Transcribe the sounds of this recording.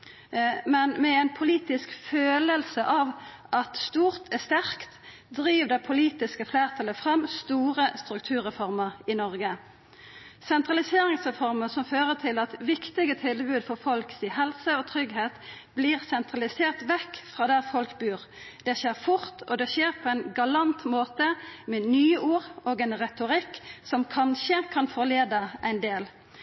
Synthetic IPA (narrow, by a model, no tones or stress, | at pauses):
mɛnmɛɛɪnpʰʊliːt̪ɪskføːləlsəʔɑʋ | ʔɑt̪st̪uːʁt̪ʰɛst̪æʁkt̪ | d̪ɾiːʋd̪ɛpʰʊliːt̪ɪskəfleːʁt̪ʰɑləfʁɑmːst̪uːʁəst̪ɾʉk̚t̪ʰʉːʁʁɛfɔʁməʁɪnɔʁɡə | sɛnt̪ʁɑlɪseːɾɪŋsʁɛfɔʁməsɔmføːʁət̪ʰɪlɑt̪ʋɪkt̪ɪɡət̪ʰɪlbʉːd̪fɔʁfɔlksiːɦɛlsəɔt̪ʰɾʏɡɦeːt̪ | bliːʁsɛnt̪ʁɑlɪseːʁt̪ʋɛkːfʁɑːd̪æʁfɔlkbʉːʁ | d̪̥ɛʃeːʁfʊʁt̪ɔd̪ɛʃeːʁpʰɔɛɪnɡɑlɑnt̪moːt̪əmɛnyːuːʁoːɡɛɪnʁɛt̪ʊʁɪkːsɔmkʰɑnʃəkʰɑnfɔʁleːd̪əæɪnd̪eːl